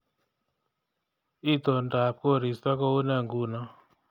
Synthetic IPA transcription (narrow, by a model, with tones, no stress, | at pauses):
i˦˨t̪o˨n˨ta˨p̚ko˦˨ɾi˨spa˦kɔ˦u˦na˦˨ŋɡu˦˨na˦